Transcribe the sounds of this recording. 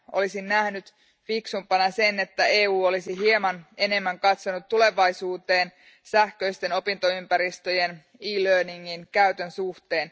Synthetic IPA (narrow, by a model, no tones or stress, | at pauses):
ʔo̰lisinːæhnyt̪ | fiksumpɑnɑse̞net̪ːæe̞ːuːo̞lisiɦiemɑne̞ne̞mːæŋkɑt̪so̞nut̪ːule̞ʋɑjsuːt̪e̞ːn | sæhkø̞ijst̪e̞no̞pint̪o̞ympæɾist̪ø̞je̞n | iːløːniŋːinkæyt̪ønsuht̪e̞ːn